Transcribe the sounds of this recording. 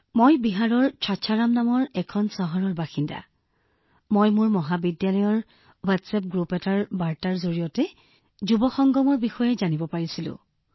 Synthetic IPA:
mojbiɦaɹɔɹt͡ʃʰatːʃʰaɹamnamɔɹɛkʰɔnsaɦɔɹɔɹbaxinda̰ | mojmuɹmɔɦabidjalɔjɔɹ | watsɛp̚ɡɹupɛtaɹbaɹtaɹzoɹijɔtɛ | zubɔxɔŋɡɔmɔɹbixɔjɛzanibɔpaɹisilʊ̰̃

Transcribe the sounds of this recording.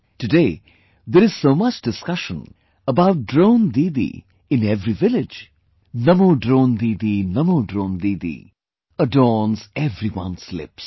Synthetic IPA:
tɨdeː | d̪əɾɨz̥soːmʌt͡ʃdɨskʌʃə̰̃n | əbaʊʈ̚dɾõʊ̃nd̪id̪ḭ | ɪ̃nɛvɾivɪlɪd͡ʒ | nʌmoɖɾõːnd̪iːd̪inʌmodɾõʊ̃nd̪iːd̪ḭ | ədɔːnzɛvɾiwʌ̰̃nslɪ̰ps

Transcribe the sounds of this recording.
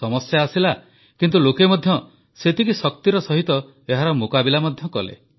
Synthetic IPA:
sɔmɔsjaːsila | kint̪ulokemɔd̪ʱjɔ | set̪ikisɔkt̪iɾɔsɔɦit̪ɔ | eɦaɾɔmokabilamɔd̪ʱjɔkɔ̰lḛ

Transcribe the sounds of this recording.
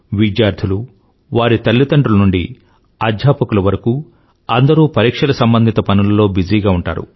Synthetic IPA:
ʋid̪jaːɾd̪ʰʱilu | ʋaːɾit̪ɐɭːit̪ɐɳɖɾulɐnuɳɖḭ | ɐd̪ʱjaːpɐkulɐʋɐɾɐku | ɐnd̪ɐɾuːpɐɾiːkʂɐlɐsɐmbɐnd̪ʱit̪ɐpɐnulɐlo̞ːbid͡ʒiːɡaːuɳʈa̰ːɾṵ

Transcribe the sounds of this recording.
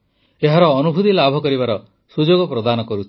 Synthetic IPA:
eɦaɾɔːnubʱut̪ilabʱɔkɔɾiβaɾɔ | sud͡ʒoɡɔpɾɔd̪anɔkɔɾut͡ʃʰi̥

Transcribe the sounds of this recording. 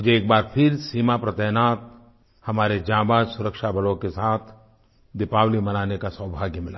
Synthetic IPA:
mʊd͡ʒʱeeːk̚baːɾpʰɪɾsiːmapɾɐt̪ɛɦnaːt̪̚ | hɐmaːɾed͡ʒãːbaːd͡ʒsʊɾəkʃabɐlõkesaːt̪ʰ | d̪ɪpaːwlimɐnaːnekasəwbʱaːɡmɪlaː

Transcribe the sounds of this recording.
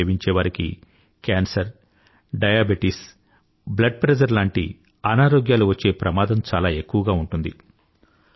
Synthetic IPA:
ʋiɲt͡ʃɛːʋaɾikḭ | kaːnsɐɾ | ɖɐjaːbiʈis | blɐɖ̚pɾed͡ʒɐɾlaːɳʈḭ | ɐnaːɾoːɡjaːluʋɐt͡ʃːe̞ːpɾɐmaːd̪ɐmt͡ʃaːlaːe̞kːuʋɐɡaːuɳʈund̪ḭ

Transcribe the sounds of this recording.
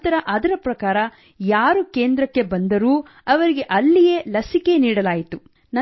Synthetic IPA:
t̪ɐɾɐʔɐd̪ɐɾɐpɾɐkaːɾɐ | jaːɾuke̞ːnd̪ɾɐkːe̞bɐnd̪ɐɾuː | ɐʋɐɾiɡe̞ʔɐlːije̞lɐsike̞niːɽɐlaːjit̪u | nɐ

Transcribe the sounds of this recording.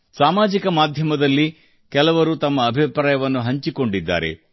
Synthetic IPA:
saːmaːd͡ʒikɐmaːd̪ʱjɐmɐd̪ɐlːi | kɛlɐʋɐɾut̪ɐmːɐːbʱipɾaːjɐʋɐnːuɦɐɲt͡ʃiko̞ɳɖid̪ːa̰ːɾḛ

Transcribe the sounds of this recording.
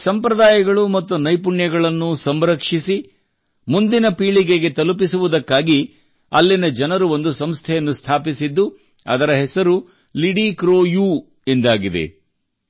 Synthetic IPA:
sɐmpɾɐd̪aːjɐɡɐɭumɐt̪ːunɐjpuɳjɐɡɐɭɐnːusɐmɾɐkʂisi | mund̪inɐpiːɭiɡe̞ɡe̞t̪ɐlup̬isuʋud̪ɐkːaːɡi | ɐ̰lːinɐd͡ʒɐnɐɾuo̞nd̪usɐmst̪ʰɛjɐnːust̪ʰaːpisid̪ːu | ɐ̰d̪ɐɾɐɦɛsɐɾu | liɽikɾoːju | end̪aːɡid̪e̞̰

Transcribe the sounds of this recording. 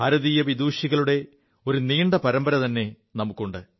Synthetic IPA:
ɐɾɐðijɐʋid̪uːɕiɣɐɭuɽe̞ | o̞ɾuniːɳɖɐpɐɾɐmbɐɾɐt̪ɐnːe̞ | nɐmukːuɳɖɨ

